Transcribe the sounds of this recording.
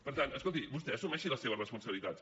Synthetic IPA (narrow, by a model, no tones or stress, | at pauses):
pəɾt̪anəskolˠt̪ibust̪ɛəsumɛʃiləseβərəspunsəβilit̪at̪s